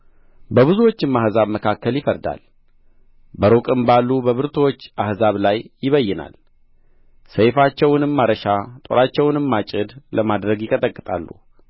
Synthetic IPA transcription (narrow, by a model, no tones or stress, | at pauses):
bəβɨzuwo̞t͡ʃːɨmːahzaβməkʰakːəljɪfəɾd̪a̰l | bəɾokʼɨmbalːubəβɨɾt̪ʰowot͡ʃːahzaβlajjɪβəjːɛna̰l | səjfat͡ʃːɛwnɨmːaɾəʃat̪ʼo̞̰ɾat͡ʃːɛwnɨmːat͡ʃʼɪd̪ləmad̪ɾəɡjɪkʼət̪ʼəkʼːɨt̪ʼa̰lːṵ